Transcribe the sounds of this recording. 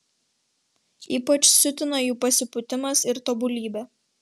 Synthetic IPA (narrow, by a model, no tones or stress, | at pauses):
iːpɐt͡ʃsʲʊt̪ʲɪnɐjuːpɐsʲɪpʊt̪ʲɪmɐsɪɾt̪oːbʊlʲiːbʲɛ